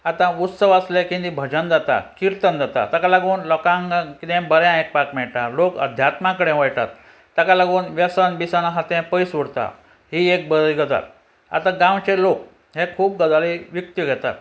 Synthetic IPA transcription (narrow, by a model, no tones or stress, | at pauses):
at̪ãut̪səʋəslekĩnd̪ibʱəd͡ʑənd͡zat̪a̰kiɾt̪ənd͡zat̪a̰t̪akalaɡuːnlɔkãŋɡkit̪ɛ̃bəɾjãek̚pakmɛɭʈalokə̰d̪ʱjat̪mãkəɽẽʋajʈa̰t̪ː | akalaɡuːnʋjəsənbisanaɦat̪ɛ̃pəjsʋuɽt̪a̰ | ɦiek̚bəd̪əjɡəd̪a̰t̪ | a̰t̪ãɡãwt͡ɕelok | ɦekʰuːp̚ɡəd̪aliʋik̚t̪iɡʱɛt̪a̰t̪